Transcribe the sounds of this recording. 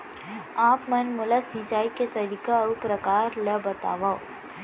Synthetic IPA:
aːpmɐnmʊlasĩt͡ʃaːiket̪ɐɾiːkaupɾəkaːɾləbɐt̪a̰ːʋao

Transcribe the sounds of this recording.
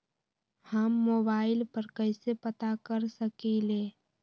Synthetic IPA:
həmːoːbaːɪlpəɾkəɪsepət̪akəɾsəkileː

